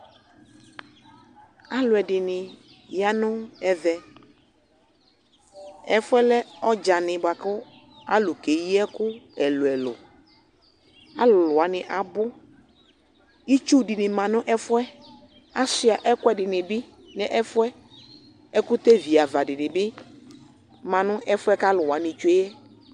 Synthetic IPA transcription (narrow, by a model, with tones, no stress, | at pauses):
a˨lʊ˨ɛ˨dɪ˨nɪ˨ | ja˦nʊ̃˦ɛ˦vɛ˨ | ɛ˨fʊ˦ɛ˦lɛ˦ɔ˦d͡ʒa˨nɪ̃˨bʊ˨a˨kʊ˦ | a˦lʊ˨ke˨ji˦ɛ˦kʊ˦ɛ˨lʊ˨ɛ˨lʊ̰˨ | a˦llʊ˨a˨˦nɪ˨ʔa˨bʊ˦ | i˦t͡ʃu˦dɪ˨nɪ˨mã˨nʊ̃˦ʔɛ˦fʊ˦ɛ˦ | a˦sʊ˨a˨ʔɛ˦kɛ˨dɪ˨nɪ˨bɪ˦ | nɛ˨ʔɛ˦fʊ˦ɛ˦ | ɛ˦kʊ˦t̪e˦vi˨a˨va˨dɪ˨nɪ˨bɪ˦ | mã˨nʊ̃˦ʔɛ˦fʊ˦ɛ˦ka˦lʊ˨a˨nɪ̃˨t͡ʃe˦jɛ˦